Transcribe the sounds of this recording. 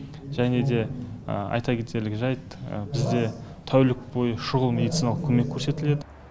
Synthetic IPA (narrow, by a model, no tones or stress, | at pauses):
ʒæne̞d̪e̞̰ɑ̰jt̪ɑkʲʰe̞t̪e̞ɾlɪkʲʒɑjt̪ə̰bɪzd̪e̞t̪ʰæwlɪk̚bo̞jəʃʊʁəlˠme̞d̪it̪sinalˠəqkʰʲɵme̞kʲʰːɵɾse̞t̪ɪle̞d̪ɪ